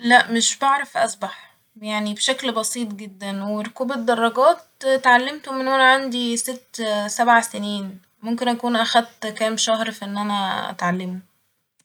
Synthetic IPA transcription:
læʔmeʃbeʕɾˤɑfʔɑsˤbɑħ | jaʕnibeʃæklbɑsiːt̪ˤɡed̪ːænweɾokuːbed̪ːɑrˤːɑɡæːt̪̚t̪ʕalːemt̪omenʔænæʕand̪iset̪ːsæbʕaseniːn | momkenʔækuːnʔæxæd̪̚t̪kæːmʃɑhɾfiʔenːʔænæʔæ̰t̪ʕalːemo

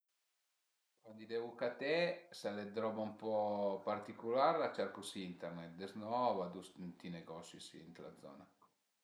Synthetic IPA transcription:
kwand̪id̪ɛvukat̪ɛsalɛd̪ɾɔbaumpɔpart̪ikulaɾlat͡ʃɛɾkusint̪ɛɾnɛt̪̚d̪ɛznɔvad̪ust̪inɛɡɔsjisint̪la̰d̪zɔ̰ːna

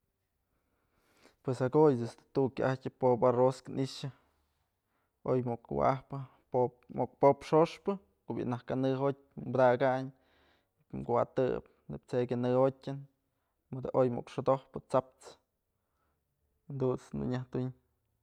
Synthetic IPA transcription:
pwesaɡojd̪est̪ɨ̥t̪ukʲaʔahtʲɨpoparoskɨnʔiʂɨ | o̰jmokwa̰ahpɨ | o | ok̚popʂoʂpɨ | kobḭʔnahkanɨɦot̚ʲmbd̪aɡaɲ | mkuwa̰t̪ɨ̰p̚ | neb̚t͡sekʲanɨhotʲɨn | mɨd̪aʔojmo̰kʂod̪ohpɨt͡sap̚t͡s | nd̪ut͡snṵɲaht̪iɲ

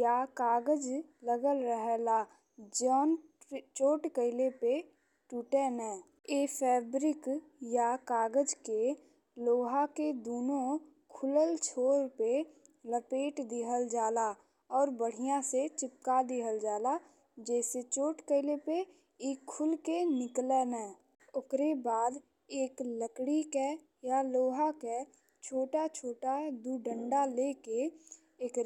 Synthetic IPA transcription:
jakaːɡəd͡ʒləɡəlɾəɦɛla | d͡ʒɔːnt͡ʃoːʈkəɪlepe | ʈuːʈənɦɛ̃ː | eːpʰɛːbɾɪk | jakaːɡəd͡ʒke | loːɦaked̪oːnõ | kʰʊləlt͡ʃʰoːɾpe | ləpeːʈd̪ɪɦəld͡ʒaːla | ɔːɾbəɽ̤ijãset͡ʃɪt̪̚kad̪ɪɦəld͡ʒaːla | d͡ʒɛːset͡ʃoːʈkəɪlepe | iːkʰːʊlkenɪklɛnɛ | ʊkɾebaːd̪ | eːkləkɽikɛ | jaloːɦakɛ | t͡ʃʰoːʈat͡ʃʰoːʈad̪uɖə̃ɳɖaleːke | eːkɾ

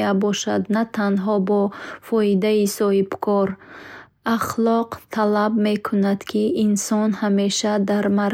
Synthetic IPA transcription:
abɔʃad̪nat̪ʰanɦɔbɔfɔid̪aisɔhib̥kʰɔɾ | aχlɔqt̪ʰalabme̞kʰunad̪̥kʰiinsɔnhame̞ʃad̪aɾmaɾ

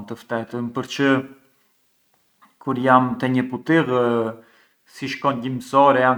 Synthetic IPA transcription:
nt̪əft̪ɛt̪əmpəɾt͡ɕə | kuɾjamt̪ɛɲəput̪iʁ | siʃkɔnɟiməsɔɾɛan

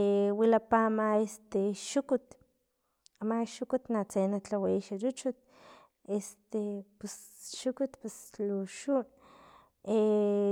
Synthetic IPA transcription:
wilapamaest̪eʃukut̪ | amaʃukut̪nat͡senat͡ɬaweiʃaɾut͡ʃut̪̚ | est̪epesʃukut̪pesluʃun | e

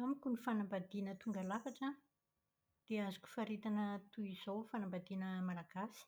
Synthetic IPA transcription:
amikʲunifanambad̪inət̪uŋɡalafaʈ͡ʂa | d̪̥eazu̥kʲu̥faɾet̪anət̪uiz̥owfanambad̪inəmalaɡ̥asi̥

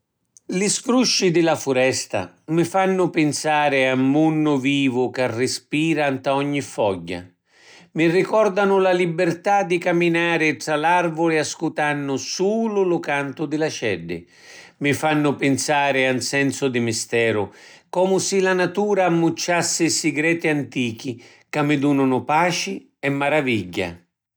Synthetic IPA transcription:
lɪsfɾuʃːid̪ɪlafʊɾɛst̪a̰ | mɪfanːʊpɪnsaːɾɪamːunːʊviːvʊkarːɪspiːɾant̪aɔɲːifɔɟːa̰ | mɪrikɔrd̪anʊlalibɪrt̪ad̪ːikamːinaːɾɪt̪ɾalarvʊlɪaskut̪anːʊsuːlʊlʊkant̪ʊd̪ɪlat͡ʃɛɖːɪ̰ | mɪfanːʊpɪnsaːɾɪansɛnsʊd̪ɪmɪst̪ɛːɾʊkɔːmʊsilanat̪uːɾaːmːut͡ʃːasːɪsɪɡɾɛːt̪iant̪iːk̟i | kamːɪd̪uːnʊnʊpaːt͡ʃɪ | ɛmːaɾaviɟːa̰

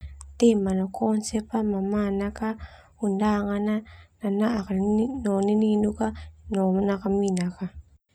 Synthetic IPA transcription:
temanokʰonsepamamanaka | undaŋanananaːkanonininukanomnakaminaka

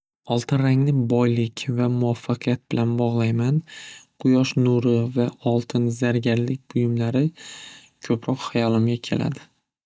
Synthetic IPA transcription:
ɒlˠt̪ʰɪnɾaŋnɪbɒjlɪkʲʰvamʊafːɑqʰɨjat̪̚b̥ɪlanbɒʁlˠajmanqʰʊjɒʃnuɾɪvaɒlˠt̪ʰɪnzaɾɡʲaɾlɪk̚ʲbʊjʊmlaɾɪ | kʰɵpʰɾɒqhajɒlˠɪmɡʲakʲʰe̞̰la̰d̪ɪ

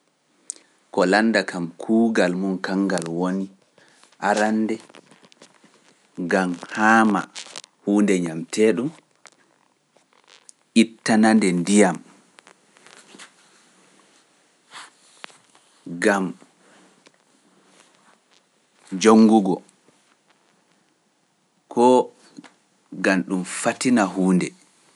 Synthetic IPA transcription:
kɔlandakʰamkʰuːɡalmunkaŋɡalwoni | ʔaɾanːdɛ | ɡamhaːma̰huːndɛɲamtʰɛɗum | ʔitːanandɛndijam | ɡam | d͡ʒoŋːɡuɡɔ | kʰɔ | ɡanɗumfatinahuːndɛ

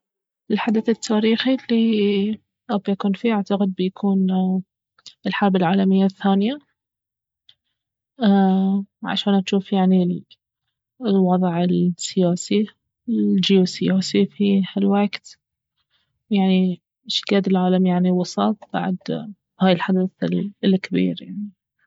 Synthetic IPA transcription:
ʔɪlħad̪aθɪt̪ʰːaːɾiːxilːi | ʔabjakuːnfiʔaʕt̪aqɪd̪̚bɪjakʰuːn | ɪlħɑɾˤbalʕaːlamɪjːaθːaːnɪja | aʕa̰ʃaːnʔaʃuːfjaʕni | lwɑðˤʕɪlsɪjaːsi | d͡ʒiusɪjaːsifihalwaɡt̪ | jaʕni | ʃɪ̥ɡaːd̪ɪlʕaːlamjaʕniwɑsˤɑt̪̚ˤb̥a̰ʕd̪ | haːjɪlħad̪aθlɪlkabḭːɾja̰ʕni

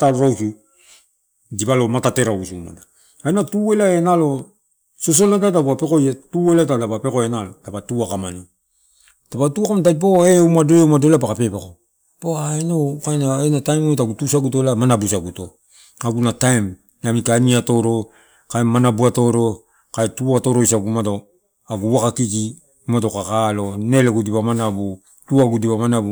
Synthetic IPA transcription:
taloɾawsu | dibalo̞matate̞ɾausuma̰da | ajnatuelaenalo̞ | sos̬olatatabuape̞kojetuelatadapape̞koenalotapatuakamano | tapatuakamatajp̬oeumado̞joumado̞leapakape̞pako | poaenokajnaenatajmoetaɡutusaɡutolamanabusaɡuto̞ | aɡunatajm | namikaniato̞ɾo̞ | kaemanabuato̞ɾo̞ | kaetuaato̞ɾoisaɡumato | aɡuwakakiki | matokakalo̞ne̞leɡudipamanabu | tuaɡudipamanabu

